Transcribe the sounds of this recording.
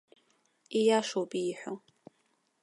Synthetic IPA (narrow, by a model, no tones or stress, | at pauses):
ijaʃowpʼiːħʷᶣo